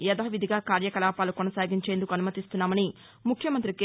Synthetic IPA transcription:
jɐd̪aːʋid̪ʱiɡaːkaːɾjɐkɐlaːpaːlukɔnɐsaːɡiɲt͡ʃe̞ːnd̪ukuɐnumɐt̪ist̪unːaːmɐni | mukʰjɐmɐnt̪ɾike

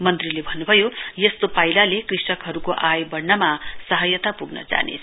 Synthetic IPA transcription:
mʌnt̪rilebʱʌnːubʱʌjojʌst̪opailalekrisʌkɦʌɾukoʔajbʌɽnʌmasʌɦʌjʌt̪apuɡnʌ̰d͡za̰nḛt͡sʰ

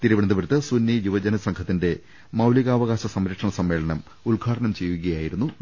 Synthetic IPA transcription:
t̪iɾuʋɐɽɐnd̪ɐʋɐɾt̪ːɨsunːijuʋɐd͡ʑɐnɐsɐŋkʰɐt̪ːinde̞ | mɐwliɣaːʋɐɣaːɕɐsɐmɾɐkʂɐɳɐsɐmːe̞ːɭɐɳɐm | uɭɡʱaːʈɐɳɐmt͡ɕe̞jːuɣɐjaːjiɾunːu

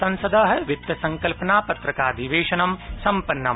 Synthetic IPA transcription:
sɐ̃nsɐd̪ʱɐɦɐʋɪt̪jɐsɐ̃ŋkɐlpɐnaːpɐt̪ɾɐkaːd̪ʱiʋeːʃɐnɐmsɐmpɐnːɐm

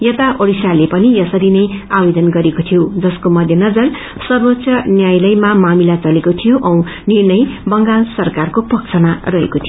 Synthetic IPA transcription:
jʌt̪aʔoɽisalepʌnijʌsʌɾinʌjabed̪ʌnɡʌɾekot̪ʰijod͡zʌskomʌd̪ʱjʌnʌd͡zʌr | sʌrbʌtːsʰʌnjajlʌjmamamilat͡sʌlekot̪ʰijoʔʌ̃w̃ | nirnʌjbʌŋɡalsʌrkarkopʌk̚t͡sʰʌmarʌɦḛkot̪ʰijo

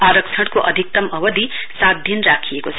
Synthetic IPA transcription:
aːɾəkt͡ʃʰɐɽ̃koʔɐd̪ʱik̚t̪ɐmɐʋəd̪ʱi | sad̪ʱjɐnɾaːkʰijekot͡sʰ

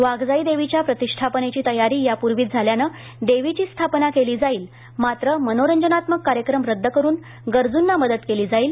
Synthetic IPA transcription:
ʋaɡd͡zaiːd̪eʋit͡ɕjapɾət̪iʂʈʰapnet͡ɕiːt̪əjaɾiːjapuɾʋiːt̪̚d͡zʱaljanə | d̪eʋit͡ɕiːst̪ʰapnakeliːd͡zaiːl | mat̪ɾəmənoɾəɲd͡ʑənat̪məkːaɾjəkɾəmɾəd̪ʱːəkəɾuːn | ɡəɾd͡zunːaməd̪ət̪keliːd͡zaiːl

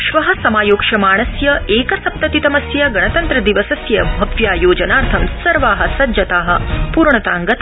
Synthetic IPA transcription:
ʃʋɐɦɐ̆sɐmaːjoːkʂɐmaːɳ̃ɐsjɐeːkɐsɐp̚t̪ɐt̪it̪ɐmɐsjɐɡɐɳɐt̪ɐnt̪ɾɐd̪iʋɐsɐsjɐbʱɐʋjaːjoːd͡ʒɐnaːɾt̪ʰɐmsɐɾʋaːɦɐ̆sɐd͡ʒjɐt̪aːɦɐ̆puːɾɳɐt̪aːŋɡɐt̪

